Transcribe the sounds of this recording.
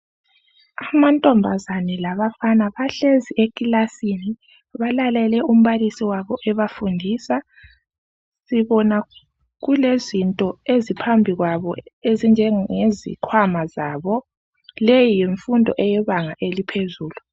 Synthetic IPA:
amantʼɔmbʱazanɛlaβafanaβaɬeziekʼilasini | βalalɛlɛum̩βalisiwaβɔʔɛβafundʱiːsa | siβɔna | ɣulezintʼɔezipʰambʱiɣwaβɔezind͡ʒʱɛŋezḭkʰwamazaβɔ | lejijeɱfundʱɔ̰ʔɛjɛβaŋaʔelipʰezuːlu

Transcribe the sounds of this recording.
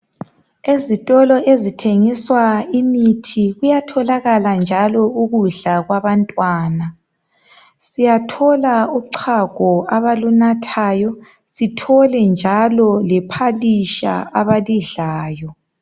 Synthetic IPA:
ezitʼɔlɔʔezitʰeŋiswaimitʰiɣujatʰɔlaɣaland͡ʒʱalɔuɣuɮaɣwaβantʼwaːna | sijatʰɔlauǀʰaɡ̥ʱɔaβalunatʰaːjɔ | sitʰɔlɛnd͡ʒʱalɔlɛpʰaliʃa̰aβaliɮaːjɔ

